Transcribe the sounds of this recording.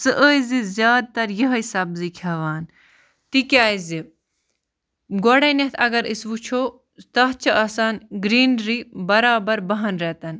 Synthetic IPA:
sɨʔəːjzizjaːd̪̚t̪ɐɾjɐɦisɐbzikʰɐʋaːn | t̪ikʲaːizi | ɡoɽenɐt̪ʰɐɡɐɾisʋut͡ʃʰoː | t̪ɐɦt͡ʃʰɐʔaːsaːnɡɾiːnɾibɐɾaːbɐɾbɐɦɐnɾɛt̪ɐn

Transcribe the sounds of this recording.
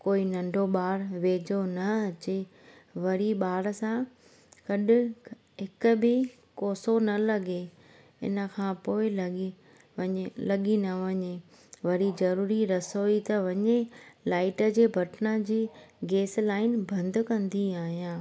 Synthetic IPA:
koːinɐ̃ɳɖʱoɓaːɽʋeːd͡ʑonɐɐt͡ɕe | ʋɐɾiɓaːɽsã | kɐɗɪ | ɦɪkʊ̆bɪ | koːsonɐlɐɠe | ɪ̰nə̆kʰãːpoːɪl | lɐɠinɐʋɐɲe | ʋɐɾizɐɾuːɾiɾɐsoit̪ɐʋɐɲelaːɪʈə̆d͡ʑeːbʱɐʈnəd͡ʑiːɡeːslaːɪnbʱɐ̃nd̪ʱkɐ̃nd̪iaːɦijãː

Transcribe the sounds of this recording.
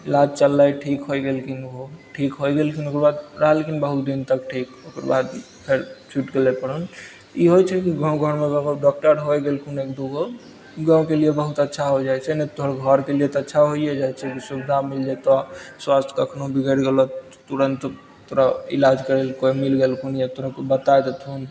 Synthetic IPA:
ilad͡ʒt͡ʃəlːajʈʰikɦojɡelkinoʈʰikɦojɡelkinokɾebad̪ɾəɦɛlkinbəɦut̪d̪int̪ək̚ʈʰikokɾ̰ba̰d̪ | pʰeɾt͡ʃʰuʈɡelepəɽun | iɦojt͡ʃʰɛkiɡãw̃ɡʱəɾmeɡɔɡɖɔk̚ʈəɾɦojɡelkunekd̪oɡo | ɡãʊ̃keliebəɦut̪ətːʃʰaɦod͡ʒajt͡ʃʰɛnɛt̪oɦəɾɡʱəɾkeliet̪ɔətːʃʰaɦoijɛd͡ʒajt͡ʃʰɛkisubid̪ʱamild͡ʒɛt̪ɔswast̪ʰkəkʰnobʱiɡəɾɡelɔ | t̪uɾənt̪ | t̪oɾaḭlad͡ʒkəɾelkojmilɡelkʰunjat̪oɾakebət̪aed̪et̪ʰun

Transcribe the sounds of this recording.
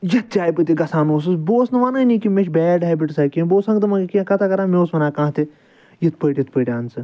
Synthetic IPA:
jɐt̪̚t͡ʃʲaːjpɨt̪iɡɐsaːnoːs̬ɨboːsnɨʋanɐnĩkimeʃbɛːɖajbiʈsaːkĩboːsɐ̃ŋɡt̪ɨmɐkãkɐt̪ʰakɐɾãːmeoːsʋɐnaːkãːɦt̪i | jit̪pəːʈʲjit̪̚pəʈʲaːnsɨ

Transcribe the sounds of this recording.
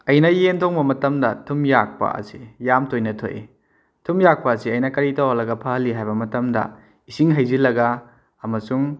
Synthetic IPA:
ɐjnɐjentʰoŋbɐmɐtɐmdɐtʰumjak̚pɐ̰ɐ̰sijamtʰojnɐtʰo̰j̰ | tʰumjak̚pɐːsiɐjnɐkɐɾitowɐlɐɡɐpʰɐhɐlːiɦajbɐmɐtɐmdɐ̰ | isiŋɦɐjzilɐɡɐ | ɐmɐsuŋ

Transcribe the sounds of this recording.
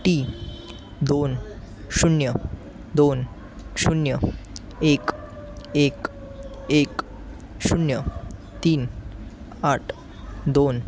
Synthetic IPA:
ʈi | d̪on | ɕunjə | d̪on | ɕunjə | ek | ek | ek | ɕunjə | t̪iːn | aʈʰ | d̪on

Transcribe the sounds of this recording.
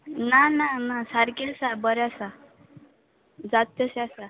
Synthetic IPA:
nananasaɾkesabəɾjasa | d͡zat̪̚jəsasa

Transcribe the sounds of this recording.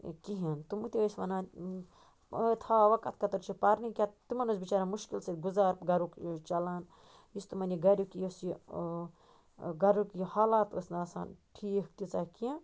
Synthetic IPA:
kiɦɐnt̪umut̪iɐsmɐna | t̪ʰaʋɐkɐt̪̚ʰkɐt̪ɐɾt͡ʃʰipaɾnikʲat̪t̪umɐnusbit͡ʃaːɾamuʃkilseɡuzaːɾpɡɐɾukt͡ʃɐlaːn | jist̪umɐniɡɐɾukijosi | ɡɐɾukihaːlaːt̪o̰snasa̰ːnʈʰiːht̪it͡sakiã

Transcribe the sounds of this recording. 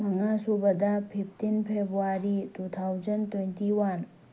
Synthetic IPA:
mɐŋasubəd̪apʰip̚ʰt̪inpʰebɾuaɾitut̪ʰawzənt̪wentiwɐn

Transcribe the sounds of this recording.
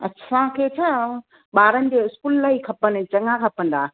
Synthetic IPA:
ɐ̰tːsʰãkʰeːt͡ɕʰaː | ɓaːɾənɪ̆d͡ʑoːɪskuːllaːikʰɐpənt͡ɕɐŋãkʰɐpə̃nd̪aː

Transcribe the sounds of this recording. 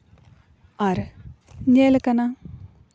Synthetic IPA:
ɐɾ | ɲeːlkɐna

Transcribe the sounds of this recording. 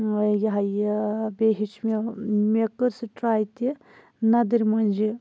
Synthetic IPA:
jɐɦɐjbeɦit͡ʃʰmemekəɾsɨʈɾaːjt̪i | nɐd̪ɨɾʲmɐnd͡ʒi

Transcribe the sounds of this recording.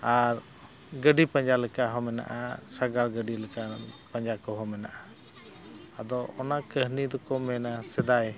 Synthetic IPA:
aɾ | ɡəɖipãɲd͡ʒalɛkaɦɔmɛna̰ʔasaɡaɽɡəɖilɛkapaɲd͡ʒakɔɦɔmɛna̰ʔa | ad̪ɔɔnakəɦnid̪ɔkɔmɛnasɛd̪aj

